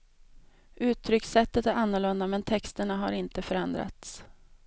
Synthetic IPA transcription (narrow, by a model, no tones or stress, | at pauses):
ʔʉ̟ːt̪ʰɾʏksɛt̪ːət̪æɾanːʊɭɵnd̪amɛnt̪ʰɛkst̪əɳaɦaɾɪnt̪əfœɾɛnd̪ɾa̰t̪s